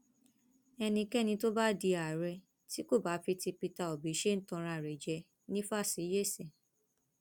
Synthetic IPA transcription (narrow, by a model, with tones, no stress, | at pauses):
ɛ˧nĩ˧kɛ˦nĩ˧to˦ba˦di˧a˨ɾɛ˧ | ti˦ko˦˨ba˨˦fi˧ti˧pi˧ta˧˨ɔ˨bi˨˦ʃe˦n̩˦tɔ̃˧ɾ̃a˧˨ɾɛ˨d͡ʒɛ˧˦ | nĩ˦fa˦˨si˨˦je˦˨sɛ̃˨